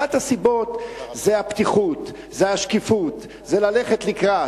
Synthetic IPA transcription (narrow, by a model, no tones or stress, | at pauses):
at̪hasibo̞t̪zeapt̪iχut̪ | zeaʃkifut̪ | zelaleχe̞t̪likʁa